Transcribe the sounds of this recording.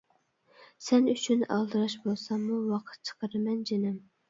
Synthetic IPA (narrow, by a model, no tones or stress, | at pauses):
sɛnyt͡ʃʰynɑ̰lˠd̪ɨɾɑʃbolˠsɑmːuwɑqʰə̥t̪̚t͡ʃʰə̥qʰəɾɨmɛnd͡ʒenɪm